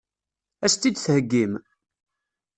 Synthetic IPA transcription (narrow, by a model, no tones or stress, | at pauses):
æst̪ːid̪θhəɡːim